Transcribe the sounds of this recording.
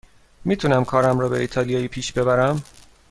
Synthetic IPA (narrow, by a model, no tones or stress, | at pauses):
miːt̪ʰunæmkʰɒːɾæmɾɒːbe̞iːt̪ʰɒːlijɒːjiːpʰiːʃbe̞βæɾæm